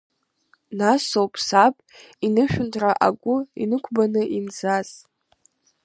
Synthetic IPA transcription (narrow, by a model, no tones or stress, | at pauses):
nasowpʼʰsapʼinɨʃᶣʊntʰraʔaɡʷʊḭnɨkʷʰbanɨʔinzaz